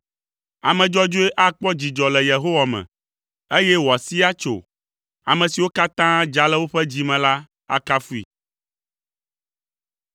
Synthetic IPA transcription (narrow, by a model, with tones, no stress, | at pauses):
a̰˨mɛ̃˨d͡ʒɔ˦d͡ʒo˦e˦ʔa˦k͡pɔ˦d͡ʑi˨d͡ʒɔ˨lɛ˨je˨ɦo˦wa˨mɛ̰̃˨ | e˦jɛ˦wo˨a˨si˦a˦t͡ʃo̰˨ | a˨mɛ̃˨si˨wo˦ka˦t̪ã˦d͡ʒa˨lɛ˦wo˦ɸɛ˦d͡ʑi˨mɛ̃˨la˦ | a̰˦ka˦fu˦ḭ˨